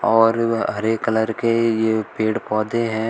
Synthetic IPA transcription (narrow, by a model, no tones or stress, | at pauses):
ɔːɾɦɐɾeːkːələɾkejepeːɽpɔːd̪eɦɛ̃ː